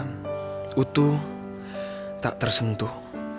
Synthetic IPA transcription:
ut̪u | t̪a̰ʔt̪ərsənt̪uh

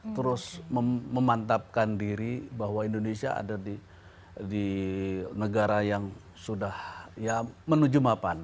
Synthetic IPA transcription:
t̪əɾʊsməːəmant̪ap̚kandiɾibaɦwaindonesia̰a̰dadi | di | nəɡaɾajaŋ | sudahjamənud͡ʒumapan

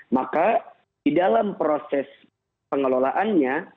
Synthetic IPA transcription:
maka | didalampɾosɛs | pəŋəlolaʔanɲa

